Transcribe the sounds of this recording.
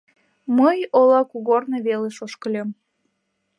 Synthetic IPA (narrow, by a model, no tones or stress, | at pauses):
məjolɑkuɣorneβeleʃoʃkəlʲem